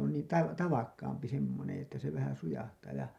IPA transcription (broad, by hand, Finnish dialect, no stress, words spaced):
on niː tɑʋ tɑʋɑkːɑːmpi semːonẽː etːæ se ʋæhæn sujɑhtɑː jɑ